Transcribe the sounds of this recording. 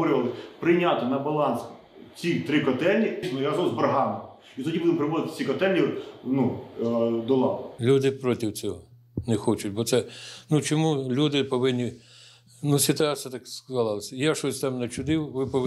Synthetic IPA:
ɔɾɪʋɐlˠɪpɾɪjnʲat̪ɪnɐbɐlˠɑns | t͡sʲit̪ɾɪkɔt̪ɛlʲːisnjaɾɐzɔzbɐɾɦɑmɪ | it̪ɔdʲibud̪ɪmpɾɪʋɔzɪt̪ɪ̥t͡sʲikɔt̪ɛlʲːinu | d̪ɔlˠɑwlʲud̪ɪpɾɔtʲɪwt͡sʲɔɦɔ | nɛxɔt͡ʃʊtʲbɔt̪sɛnut͡ʃɔmulʲud̪ɪpɔʋɪnʲːi | nusʲɪt̪ʊɑsʲijɐt̪ɑkskɐzɑlˠɑlˠɐsʲɐjaʃɔsʲt̪ɛmnɐt͡ʃʊd̪ɪwʋɪpɔʋ

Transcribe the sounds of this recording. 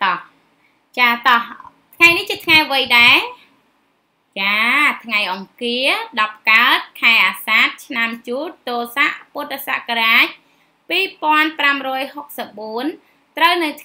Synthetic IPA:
t̪ɑh | t͡ɕaːt̪ɑh | t̪ʰŋajniht͡ɕiət̪ʰŋajʋɨjɗaɛ | t͡ɕaːt̪ʰŋajʔɑŋkiəɗɑp̚kaət̪̚kʰaɛʔaːsaːt̪̚t͡ɕʰnamt͡ɕuːt̪̚t̪ːoːsaʔpuət̪̚ːasa̰ʔkaɾaːc̚ | piːpoənpramrɔːjhok̚səp̚ɓuən | t̪rəwnɨwt̪ʰ

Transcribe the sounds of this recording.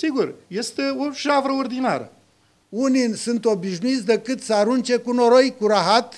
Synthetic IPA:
siɡurje̞st̪eoʃavɾəord̪inaɾə̰ | uninʲsɨnt̪obiʃnuit̪sʲd̪ekɨt̪səaɾunt͡ʃekunoɾojkuɾaɦat̪

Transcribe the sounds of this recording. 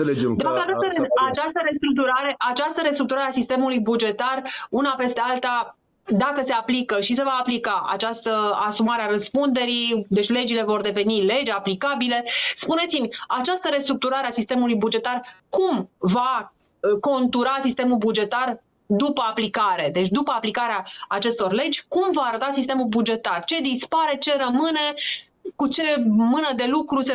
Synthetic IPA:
eled͡ʒed̪efapt̪at͡ʃast̪əat͡ʃast̪əɾest̪ɾuk̚t̪uɾaɾeʔat͡ʃast̪əɾest̪ɾuk̚t̪uɾaɾeasist̪e̞mulujbud͡ʒe̞t̪arunape̞st̪e̞alt̪a | d̪akəse̞aplikəʃis̬e̞vaːplikaʔa̰t͡ʃast̪əasumaɾeaɾəspund̪e̞ɾid̪et͡ʃʲle̞d͡ʒile̞vo̞rd̪e̞ve̞nile̞d͡ʒaplikabile̞spune̞t̪simʲat͡ʃast̪əɾe̞st̪ɾuk̚t̪uɾaɾeasist̪e̞mulujbud͡ʒe̞t̪arkumva | ko̞nt̪uɾasist̪e̞mulbud͡ʒe̞t̪ar | d̪upəaplikaɾe̞d̪e̞t͡ʃʲd̪upəaplikaɾeaːt͡ʃe̞st̪o̞rle̞d͡ʒʲkumvaːɾət̪asist̪e̞mulbud͡ʒe̞t̪art͡ʃe̞d̪ispaɾe̞t͡ʃe̞rəmɨne̞ | kut͡ʃe̞mɨnəd̪e̞lukɾuse

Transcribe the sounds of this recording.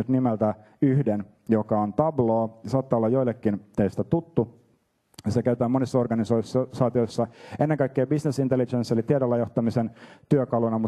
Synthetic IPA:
yt̪nimelt̪æ | yhden | jokɑont̪ɑbloːɑsɑːt̪ːɑːolːɑjo̞ilːˑekːint̪eist̪æt̪ut̪ːu | jisekæyt̪ˑæːmonisːɑorɡɑnisoissɑːt̪iojsːɑʔenːeŋkɑikːeːbisnesint̪elit͡ʃenselit̪iedolːɑjo̞ht̪ɑmisent̪yøkɑlunɑmu

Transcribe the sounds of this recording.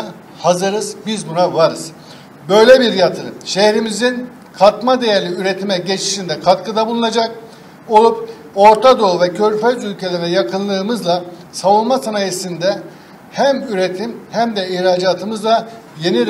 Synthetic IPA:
hazɯɾɯzbizbunavaɾɯz̥ | bø̞jlʲɛbiɾjat̪ʰɯɾɯmʃehɾimizin | kʰat̪mad̪e̞jæɾlʲiyɾet̪ʰimɛɟet͡ʃʰi̥ʃind̪ɛkʰat̪kʰɯd̪abulˠunad͡ʒak | o̞lˠup̚ | o̞ɾt̪ʰad̪o̞lˠvɛcʰøɾʲføzylʲcʰe̞lʲeɾɛjakʰɯnlˠɯːmɯzlˠasavunˠmasanajesind̪ɛ | hæmyɾet̪ʰimhæmd̪ɛiçɾaːd͡ʒaːt̪ʰɯmɯzlˠa | je̞ni

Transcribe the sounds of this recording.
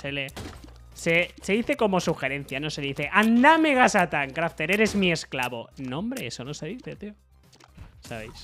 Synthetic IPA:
sele | sese̞ðiθe̞ko̞mo̞suxe̞ɾe̞n̟θjano̞se̞ðiθe̞ʔand̪ame̞ɣ̞asat̪aŋkɾaft̪e̞ɾe̞ɾe̞zmie̞sklaβo̞̰nõ̞mbɾe̞esono̞se̞ðiθe̞t̪io | saβe̞js

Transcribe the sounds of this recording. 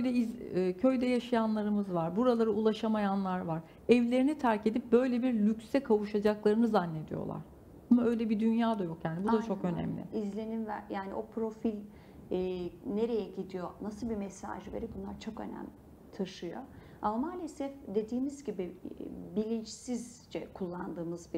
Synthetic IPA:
øjd̪ɛiːcʰø̞jd̪ɛjaʃajanlˠaɾɯmɯzvaɾbuɾalˠaɾɯulˠaʃamajanlˠaɾvaɾ | ɛvlʲe̞ɾinit̪ʰæɾce̞d̪ip̚bø̞jlʲebiɾlʲycsɛkʰavuʃad͡ʒaklˠaɾɯnɯzanːe̞d̪ḭjo̰lˠa̰ɾ̥ | amaø̞jlʲɛbid̪ynjaːd̪ajo̞kjaːnibud̪at͡ʃʰo̞kø̞nɛ̰mlʲɪ̰izlʲe̞nimvæjaːnḭʔo̞pɾo̞filʲ | ɛːne̞ɾe̞jɛɟid̪ijo̞nasɯlˠbimɛsa̰ːʒɯveɾibunlˠaɾt͡ʃʰo̞kø̞̰næ̰m | t̪ʰaʃɯjo̰ | amamaːlʲesɛfd̪e̞d̪iːmizɟibibilʲint͡ʃsiz | d͡ʒɛkʰulˠːand̪ɯːmɯzbi

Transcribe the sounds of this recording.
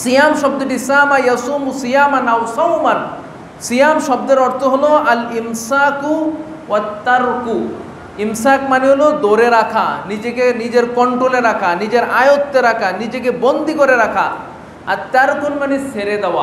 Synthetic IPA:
sijamʃɔb̚d̪oʈisamajɐsumusijamanawsawman | sijamʃɔb̚d̪eɾɔɾt̪ʰoɦoloɐlimsaku | wɐt̪ːɐɾku | imsakmaneɦolod̪oɾeɾakʰa̰nid͡ʑekenid͡ʑeɾkɔɳʈɾoleɾakʰanid͡ʒeɾa̰jot̪ːeɾakʰanid͡ʑek̬ebond̪ʱikoɾeɾakʰa̰ː | t̪ɐɾkunmaniseɾed̪ɛwa

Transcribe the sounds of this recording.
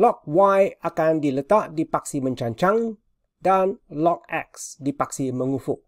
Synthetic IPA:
lɔk̚wajakandilət̪aʔdipak̚simə̃ɲt͡ʃaɲt͡ʃaŋ | danlɔk̚ɛksdipaksimə̃ŋufʊʔ̚

